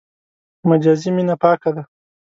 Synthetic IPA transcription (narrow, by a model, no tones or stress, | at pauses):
mad͡ʒaːziminapɑːkad̪a